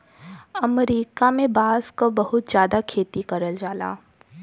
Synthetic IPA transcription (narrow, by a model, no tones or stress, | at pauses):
ɐmɾiːkamẽbaːskobɐɦʊt̪zjaːd̪akʰeːt̪ikɐɾəld͡ʒaːla̰ː